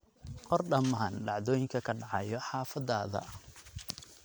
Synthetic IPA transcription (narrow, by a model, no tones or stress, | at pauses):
qɔrɖɐmaːnɖɑʕðɔːjɪŋkʰɐkʰɐɖɑʕɑ̰jɔħɑːfɐd̪ːaːðɐ̰